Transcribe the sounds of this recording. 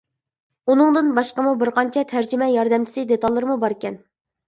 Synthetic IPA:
unɨŋd̪ɨnbɑʃqəmubɪɾqɑnt͡ʃʰɛt̪ʰæɾd͡ʒymɛjɑɾd̪ɛmt͡ʃʰɪ̥sɪd̪et̪ɑlˠːɨɾɨmubɑɾɪkʲɛn

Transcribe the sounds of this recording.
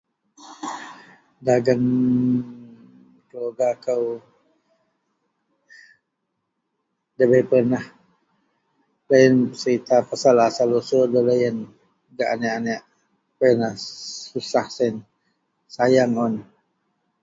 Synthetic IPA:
daɡən | kəloɡakəw | dəbəjpənah | ləjənsəɾit̪apasalasalosodələjən | ɡaʔanɛʔanɛʔ | pənahsusahsen | sajaŋɔn

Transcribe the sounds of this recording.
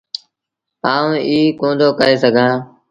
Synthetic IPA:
aːũʔiːkõːnd̪ʱoːkəeːsəɡʱãː

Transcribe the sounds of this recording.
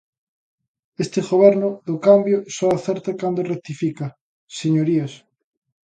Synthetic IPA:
est̪eɣoβ̞ɛɾnʊðokambjosɔaθeɾt̪akand̪orek̚t̪ifika | seɲoɾias

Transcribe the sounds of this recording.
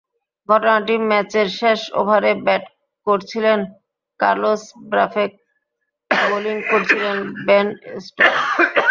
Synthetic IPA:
ɡʱɔʈonaʈimɛt͡ɕeɾʃeʃo̰bʱaɾebɛʈ | koɾt͡ɕʰilen | ka̰ɾlosbɾa̰fek̚ | boliŋkoɾt͡ɕʰilenbenesʈo

